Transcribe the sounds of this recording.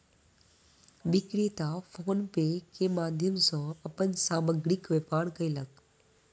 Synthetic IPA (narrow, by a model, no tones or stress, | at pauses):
ʋɪkɾet̪afoːnpeːkemaːd̪ʱjəmsɔ̃ːɐpənsaːməɡɽikʋepaːɽkɐilɐɡ̚